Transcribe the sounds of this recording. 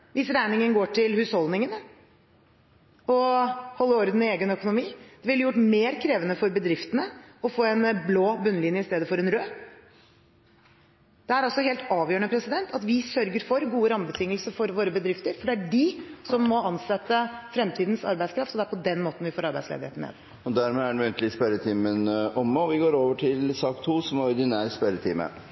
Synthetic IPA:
ʋɪsɾæɪnɪŋənɡoːʈʰɪlhʉːshɔld̪nɪŋən | ɔhɔlːəɔɾd̪ən̩ɪeːɡənœkʊnʊmiːd̪̥ɛʋɪljʊʈːmeːɾkʰɾeːʋənəfɔɾbəd̪ɾɪft̪ənəɔfoːɛnbloːbʉnːəlɪnjəɪst̪eːd̪əfɔɾɛnɾøː | d̪̥ɛæɾɑlsɔɦeːlt̪ɑːʋjøːəɳəpʰɾɛsɪd̪ɛnt̪ʰɑt̪ʋɪsœɾɡəɾfɔɾɡuːəɾɑmbət̪ʰɪŋːəlsəfɔɾʋoːɾəbəd̪ɾɪft̪əɾfɔɖɛæɖɪsɔmːɔɑnsɛt̪ːəfɾɛmt̪ʰiːd̪n̩sɑ̰ɾbæɪd̪skɾɑft̪ɔd̪ɛæɾpɔd̪ɛnmoːt̪n̩ʋɪfoːɾɑɾbæɪslḛːd̪ɪhḛːt̪n̩mḛːd̪ | ɔd̪æɾmɛæɳːɛnt̪lɪspæɾət̪ʰiːmənʔɔmːəɔʋɪɡoːɾoːʋəʈʰɪlsɑːkt̪ʰuːsɔmɔɾd̪ɪnæːɾəspæɾət̪ʰɪːmə̰

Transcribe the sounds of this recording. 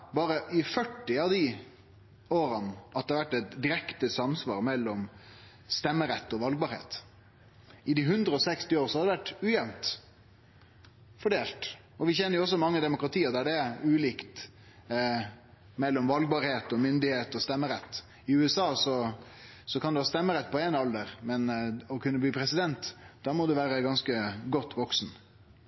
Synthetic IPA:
bɑːɾəʔɪfœʈːɪɑʋd̪ɪ | oːɾɑnʔɑt̪̚d̪ɛhɑʋæʈːɛt̪d̪ɪɾɛkt̪əsɑmsʋɑ̰ːɾmɛlːɔm | st̪ɛmːəɾɛt̪ːɔʋɑlɡ̚bɑːɾhḛːt̪ | ɪd̪ɪɦʉnd̪ɾəɔsɛkst̪ɪoːɾsɔhɑd̪ɛʋæʈːʉːjɛmmt̪ | fɔɖeːlt̪ | ɔʋɪçɛnːəɾjʊɔs̬ːɔmɑŋːəd̪ɛmʊkɾɑt̪ʰiːəɾd̪æɖɛʉːliːkt̪ | mɛlːɔmʋɑlɡ̚bɑːɾheːt̪ɔmʏnd̪ɪheːt̪ɔst̪ɛmːəɾɛt̪ː | ɪʉːɛsɑːsɔ | sɔkʰɑnɛʋɑst̪ɛmːəɾɛt̪̚ːpʰɔɛnɑld̪əɾmɛnɔkʰʉnːəbliːpʰɾɛsɪd̪ɛnt̪d̪̥ɑːmɔd̪ɛʋæːɾəɡɑnskəɡɔt̪ːʋɔksn

